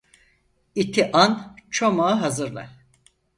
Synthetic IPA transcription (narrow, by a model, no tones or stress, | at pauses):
it̪ʰiʔant͡ʃʰomaːɦazɯɾlˠa̰